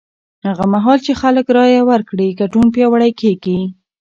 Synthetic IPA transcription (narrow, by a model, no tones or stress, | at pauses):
haɣamaɦɑlt͡ʃexaləkɾɑjawəɾkɽikaʈunpjɑwaɽajkeɡi